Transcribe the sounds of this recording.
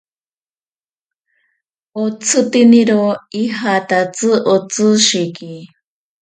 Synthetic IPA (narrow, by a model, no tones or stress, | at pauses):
ot͡sʰɨt̪iniɾoiɦat̪at͡sɨʔot͡sɨʃiki